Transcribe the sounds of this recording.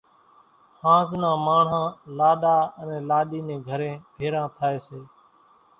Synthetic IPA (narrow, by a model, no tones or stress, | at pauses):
hãːznãːmaːɳ̤ãːlaːɗaːənɛ̃ːlaːɗiːnẽːɡʱəɾẽːbʱeːɾãːt̪ʰaːeːseː